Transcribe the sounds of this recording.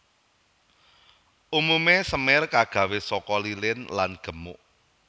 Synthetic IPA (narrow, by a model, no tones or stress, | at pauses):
ʔumumesəmɪrkaɡ̥ä̤wesɔkɔlilɪnlanɡ̥ə̤mʊʔ